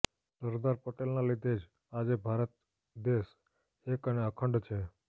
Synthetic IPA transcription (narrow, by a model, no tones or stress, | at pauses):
səɾd̪aɾpəʈelnalid̪ʱed͡ʒ | ad͡ʒebʱaɾət̪̚ | d̪es | ekəneəkʰəɳɖt͡ʃʰe